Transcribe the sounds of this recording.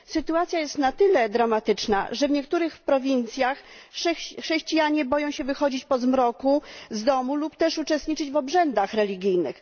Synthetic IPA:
sɘt̪uat̪sʲjajɛst̪nat̪ɘlɛd̪ɾamat̪ɘt͡ʂna̰ʐɛvɲɛkt̪uɾɘxpɾɔvʲint̪sʲjaxʂɛxʂɛɕt͡ɕijaɲɛbɔjɔ̃w̃ɕɛvɘxɔd͡ʑit͡ɕpɔzmɾɔkuzd̪ɔmulupt̪ɛʂut͡ʂɛst̪ɲit͡ʂɘd͡ʑvɔbʐɛnd̪axɾɛlʲiɡʲijnɘ̰x

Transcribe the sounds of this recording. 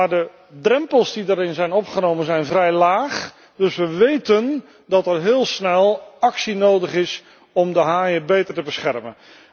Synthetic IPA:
aːdə | drɛmpəlˠsdidaːɾɪnzɛjnɔpχənowmənzɛjnvrɛjlaːχ | d̥ɵsʋəʋejtən | dɑtɛrɦɪːlˠsnɛlˠɑksinowdəχɪs | ɔmdəɦaːjəbejtəɹtəbəsχɛrmən

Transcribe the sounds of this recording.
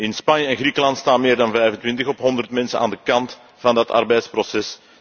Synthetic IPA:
ɪnspɑnjəɛnɣrikəlɑnt̪staːnmɪːrdɑnvɛjvəntʋɪntəxɔpɦɔndərtmɛnsə̰nʔa̰ːndəkɑnt | fɑndɑtɑ̰rbɛjtsprɔsɛs

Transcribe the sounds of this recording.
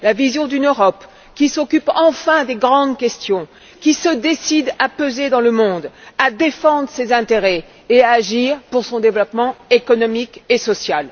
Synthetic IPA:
lavizjɔ̃d̪ynøʁɔp | kʲisɔkʲypɑ̃fɛ̃d̪eɡʁɑ̃d̪kʲɛst̪jɔ̃ | kʲisəd̪esid̪apøzed̪ɑ̃ləmɔ̃d̪ad̪efɑ̃d̪ʁəsezɛ̃t̪eʁɛ | eaːʒiʁpuʁsɔ̃d̪evlɔpmɑ̃ekɔnɔmikesɔsjal

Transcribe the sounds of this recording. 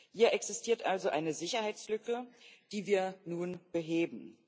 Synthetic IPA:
hiːɐʔɛksɪstʰiːɐtʔalzoʔaɪnəzɪçɐhaɪt͡slʏkəd̥iːviːɐnuːnb̥əɦeːbm̩

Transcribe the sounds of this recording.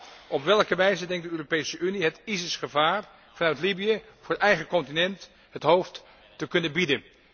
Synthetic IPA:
ʔɔpʋɛlˠkəʋɛjzədɛŋkt̚dəøːropejsəʔyniɦətizəsχəvaːr | v̥ɑnœɥtlibijəvʊːɹətɛjχəkɔntinɛnt | ɦətɦowft | təkɵnənbidən

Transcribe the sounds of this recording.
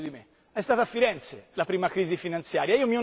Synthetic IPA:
d̪imɪ | ɛst̪aːt̪afːiɾɛnt̪selapɾiːmakɾiːzifinant̪sjaːɾjaiːomiɔ

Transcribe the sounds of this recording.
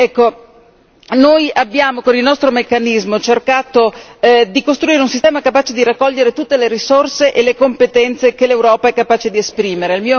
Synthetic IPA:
ɛkːo | nojabːjaːmokonilnɔst̪ɾomekːanizmot͡ʃerkaːt̪od̪ikost̪ɾuiːɾeunsist̪ɛːmakapaːt͡ʃed̪iɾakːɔʎːeɾet̪ut̪ːeleɾisorseʔelekompet̪ɛnt̪sekelewɾɔːpaɛkːapaːt͡ʃed̪iespɾiːmeɾeilmiːo

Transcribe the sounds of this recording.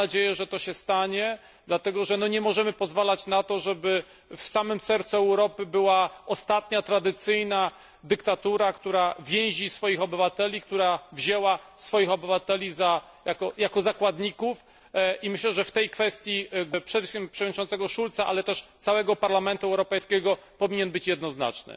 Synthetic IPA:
ad͡ʑejɛʐɛt̪ɔɕɛst̪aɲɛ | d̪lat̪ɛɡɔʐɛnɔɲɛmɔʐɛmɘpɔzvalat͡ɕnat̪ɔʐɛbɘ | fsamɘmsɛɾt̪suɛwɾɔpɘbɘwaɔst̪at̪ɲat̪ɾad̪ɘt̪sɘjna | d̪ɘkt̪at̪uɾakt̪uɾavʲjɛ̃w̃ʑisfɔjixɔbɘvat̪ɛlʲikt̪uɾavʑɛwasfɔjixɔbɘvat̪ɛlʲiza | jakɔjakɔzakwad̪ɲikuf | imɘɕlɛʐɛft̪ɛjkfɛst̪ʲjiɡpʂɛmpʂɛvdɲit͡ʃɔnt̪sɛɡɔʂult̪saʔa̰lɛt̪ɛʂt̪sawɛɡɔpaɾlamɛnt̪uɛwɾɔpɛjskʲɛɡɔpɔvʲiɲɛnbɘt͡ɕjɛd̪nɔzna̰t͡ʂnɘ̰

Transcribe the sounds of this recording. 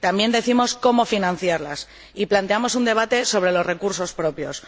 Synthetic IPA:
t̪ambje̞nd̪e̞θimo̞sko̞mo̞finãn̟θjaɾlas | iplant̪e̞amo̞sund̪e̞β̞at̪e̞so̞β̞ɾe̞lo̞zre̞kuɾso̞spɾo̞pjo̞s

